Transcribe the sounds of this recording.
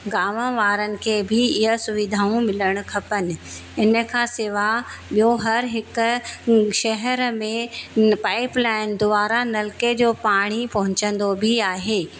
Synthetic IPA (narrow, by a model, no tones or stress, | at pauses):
ɡaːməʋaːɾənɪ̆kʰeːbʱɪɪɦəsʊʋɪd̪ʱaːũmɪləɽ̃ʊ̆kʰɐpənɪ̆ɪnə̆kʰãːseːʋaɓijoɦɐɾɦɪkʊ̆ʃɐɦəɾmẽpaːɪplaːɪnd̪ʊaːɾanɐlked͡ʑoːpaːɽ̃ipɐɦʊ̃ɲt͡ɕə̃nd̪obʱiaːɦeː